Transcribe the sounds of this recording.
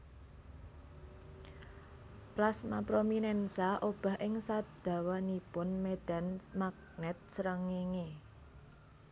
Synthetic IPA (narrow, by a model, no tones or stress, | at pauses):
plasmapɾominɛnsaʔob̥a̤ɦʔɪŋsad̪̥ä̤wanipʊnmed̪̥a̤nmak̚nɛt̪̚səɾəŋeŋe